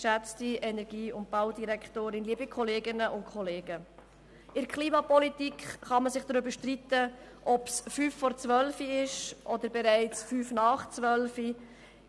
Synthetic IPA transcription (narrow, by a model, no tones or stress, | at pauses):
ʃæt͡stiɛnɛɾɡiːʊnt̚b̥ɑʊdiɾɛkχtoːɾɪnliəbikʰɔleːɡɪnəʔʊntkʰχɔleːɡə | ʔɪɾkχliːmɑpɔlitikχχɑməsɪχd̥ɾybəʃtrit̪ə | ʔɔpsfyːfːɔɾt͡sʋœlfiɪʃʔɔd̪əɾbɛɾæɪt͡sfyːfnɑːχt͡svʋœlfi